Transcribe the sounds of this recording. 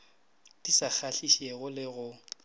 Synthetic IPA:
d̥ʼisak͡xʰaɬiʃɛɣʊlɪɣʊ

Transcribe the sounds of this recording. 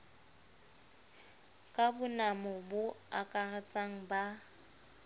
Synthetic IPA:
kʼabʊnamɔbʊ | a̰kʼarɛt͡sʼaŋ̩ba

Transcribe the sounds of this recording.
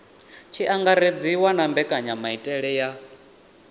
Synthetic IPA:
t͡ʃʰiʔaŋɡaɾed͡ziwanambɛkʼaɲamaitʼɛɺɛja

